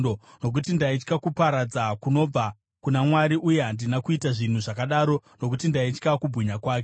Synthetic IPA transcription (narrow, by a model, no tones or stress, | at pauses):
ono̞k̬utindait͡ʃkakupaɾad͡zakuno̞b͡va | kunamwaɾiʔuje̞ɦandinakuitaʐin̤uʐakaɗaːɾo̞no̞k̬utindait͡ʃkakubʱɣiɲakwaːke